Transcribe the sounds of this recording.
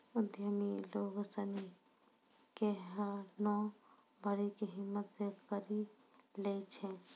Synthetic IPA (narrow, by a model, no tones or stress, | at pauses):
ʊd̪jəmiloɡəsəni | keɦanɔ | bʱəɾikeɦimːət̪sekəɾi | let͡ʃʰɛ̃